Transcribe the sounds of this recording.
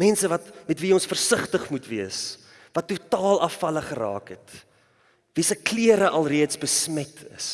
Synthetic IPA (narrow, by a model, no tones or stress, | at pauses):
mɛnsəvɐtmɛtviɔnsfərsəχtəχmutviəs | vɐtːutɑːlˠɐfɐləχəɾɑ̰ːkɦɛt | visəkliəɾəʔɐlˠriətsbəsmɛtʰə̰s